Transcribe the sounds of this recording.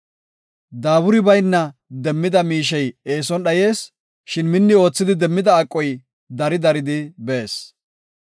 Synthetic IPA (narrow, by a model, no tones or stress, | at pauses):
d̪aːbʊɾɪbɐjnːɐd̪ɛmːɪd̪ɐmiːʃ̬ɛje̞ːsɔnɗɐje̞ːs | ʃɪnmɪnːɪo̞ːt͡sːɪd̪ɪd̪ɛmːɪd̪ɐːkʼːɔj | d̪ɐɾɪd̪ɐɾɪd̪ɪbe̞ːs